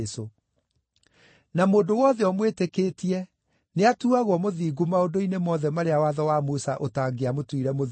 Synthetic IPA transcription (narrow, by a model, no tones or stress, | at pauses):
so | namoːndowɔðɛɔmwetekeːtiɛ | neatuaɣwɔmoðiːɡumaondoinemɔːðɛmaɾeawaðɔwamusaʔotaːɡeamotwiɾɛmo